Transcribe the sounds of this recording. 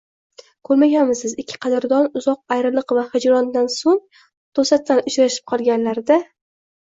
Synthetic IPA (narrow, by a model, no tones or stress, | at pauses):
kʰɵɾmaɡʲanmɪzsɪzɪkʲʰːɪ̥qʰɑd̪ɪɾd̪ɒnʊzɒq̚ajɾɪlˠɨqvahɪd͡ʒɾɒnd̪ansoŋ | t̪ʰosat̪ʰːanʊt͡ʃɾaʃɪ̥p̚qʰɒlˠɡʲanlaɾd̪a